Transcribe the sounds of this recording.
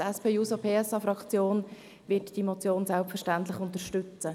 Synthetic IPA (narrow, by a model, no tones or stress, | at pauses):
ɛspʰeːjuːsopʰeːɛsɑfɾɑkt͡sjoːn | ʋɪtd̥imot͡sjoːnsælpfərʃtænt̬lɪχʊntəʃtʏt͡sə